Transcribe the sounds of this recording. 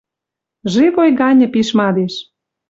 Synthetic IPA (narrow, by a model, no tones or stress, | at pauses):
ʒivojɣɑnʲə̆piʃmɑd̪eʃ